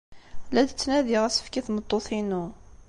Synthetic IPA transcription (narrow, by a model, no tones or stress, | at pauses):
læd̪ət͡sːnæðiʁæsə̥fkiθmət̪ˤːoθinu